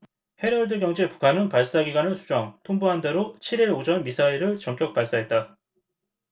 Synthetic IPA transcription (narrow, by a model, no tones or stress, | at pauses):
he̞ɾʌɭdɯɡjʌŋd͡ʑepu̥kʰanɯnpaɭs͈aɡiɡwanɯnsʰu̥d͡ʑʌŋtʰoŋbuɦande̞ɾot͡ɕʰiɾiɾod͡ʑʌnmisʰaiɾɯɭt͡ɕʌŋk͈jʌk̚p͈aɭs͈aɦe̞t̚t͈a